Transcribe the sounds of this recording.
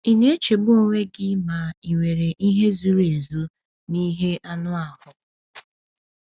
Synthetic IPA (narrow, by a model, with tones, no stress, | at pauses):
i˨ne˦t͡ʃe˨ɡ͡bʊ˦o˦ŋʷe˦ɡɪ˦ma˨i˨ŋʷe˨ɾe˨ʔi˦ɦe˦zu˦ɾe˨zu˦ | ni˦ɦe˦ʔa˦nʊ˦a˨ɦʊ˨